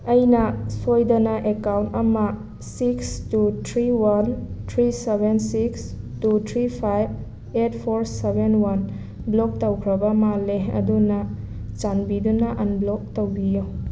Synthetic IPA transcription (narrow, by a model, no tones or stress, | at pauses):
ɐjnɐsojdɐnɐʔekawntɐmɐ | sikstutʰɾiwantʰɾisebʱensikstutʰɾipʰajb̚ | etpʰoɾsebenwɐn | blok̚tɐwkʰɾɐbɐmaleɐ̰dunɐ | t͡ʃanbidunɐʔɐnblok̚towbijo